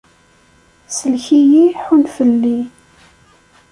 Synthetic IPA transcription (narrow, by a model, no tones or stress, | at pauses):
səlçijiħunfəlːi